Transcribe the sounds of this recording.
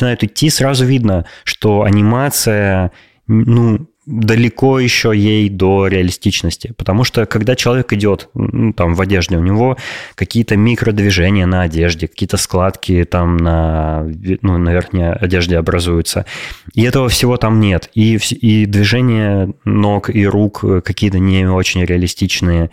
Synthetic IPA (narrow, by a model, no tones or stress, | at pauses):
əɪnajʊt̪ɪtʲːisɾazʊvʲid̪nəʂt̪o̞ɐ̰nʲɪmat̪sɨjə | nu | d̪əlʲɪko̞jɪɕːo̞jejd̪o̞ɾʲɪɐlʲɪsʲtʲit͡ɕnəsʲtʲɪpə̥t̪ɐmuʂt̪okɐɡd̪at͡ɕɪlˠɐvʲekɪdʲo̞t̪t̪amvɐdʲeʐdʲɪʊnʲɪvo̞kɐkʲijət̪əmʲikɾəd̪vʲɪʐɛnʲɪjənəɐdʲe̞ʐdʲɪkɐ̥kʲijət̪əsklˠat̪kʲɪt̪amnə | nunɐvʲerxnʲɪjəɐdʲe̞ʐdʲɪɐbɾɐzujʊt̪sə̰iɛt̪əvəfsʲɪvo̞t̪amnʲe̞t̪ifsʲid̪vʲɪʐɛnʲɪjəno̞kiɾukːkɐkʲijət̪ənʲɪo̞t͡ɕɪnʲɾʲɪɐlʲɪsʲtʲit͡ɕnɨjə